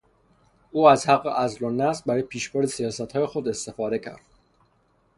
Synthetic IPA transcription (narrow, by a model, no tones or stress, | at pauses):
ʔuːæzhæɢːḛʔæzlonːæsbæɾɒːjepʰiːʃboɾd̪esijɒːsæt̪hɒːje̞xo̞d̪e̞st̪e̞fɒːd̪e̞cʰæ̰ɾd̪̥